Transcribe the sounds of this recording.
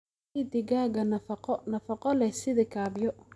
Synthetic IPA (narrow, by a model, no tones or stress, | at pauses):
id̪ɪɡaːɣɐnɐfɐqɔnɐfɐqɔlɛsɪðɪkʰaːbjɔ